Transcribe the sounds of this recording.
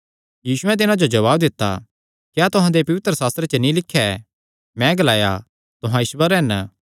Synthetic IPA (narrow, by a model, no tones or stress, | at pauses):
jiːsʊɛ̃t̪̬ɪnãd͡ʒod͡ʒɐʋaːbd̪ɪt̪ːa̰ | kjaːt̪ʊɦãd̪epɐʋɪt̪ɾəsaːst̪ɾet͡ʃənĩlɪkʰːɛ | mɛ̃ɡɐlaːja̰ | t̪ʊɦãɪʃʋəɾɦɛn